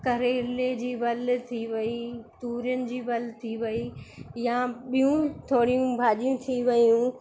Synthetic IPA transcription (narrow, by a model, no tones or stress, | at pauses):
kɐɾeːɾled͡ʑiːbɐlt̪ʰiʋɐit̪uːɾijənɪ̆d͡ʑiːbɐlt̪ʰiʋɐijaɓijũt̪ʰoːɽijũbʱaːʄijũt̪ʰiʋɐjũ